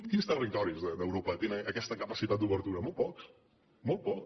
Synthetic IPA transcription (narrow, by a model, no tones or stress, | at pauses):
kinst̪ərik̚t̪ɔɾizðəd̪əwɾopət̪enəəkɛst̪əkəpəsit̪at̪̚d̪uβəɾt̪uɾəmɔl̚ˠpɔks | mɔlˠt̪̚pɔk